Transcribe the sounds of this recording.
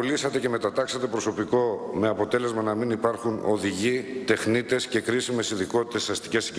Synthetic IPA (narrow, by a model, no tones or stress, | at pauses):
olisɐt̪e̞ce̞me̞t̪ɐt̪ɐksɐt̪e̞pɾo̞so̞piko̞me̞ɐpo̞t̪e̞le̞zmɐnɐminipɐɾxuno̞̰ðiʝit̪e̞xnit̪e̞sce̞kɾisime̞sinðiko̞t̪i̥t̪e̞sɐst̪i̥ces